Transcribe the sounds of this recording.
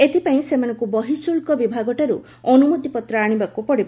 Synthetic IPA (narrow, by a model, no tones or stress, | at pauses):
et̪ʰipaĩsemanɔ̃ŋkubɔɦisulkɔbibʱaɡɔʈaɾu | ɔnumut̪ipɔt̪ɾɔaɽ̃ibakupɔɽib